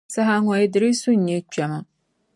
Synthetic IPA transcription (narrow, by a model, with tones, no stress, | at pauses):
sa˦ɦa˦ŋɔ˨ji˦dɨ˨ɾi˦su˦ɲ̩˨ɲɛ˦t͡ʃɛ˨mɨ˦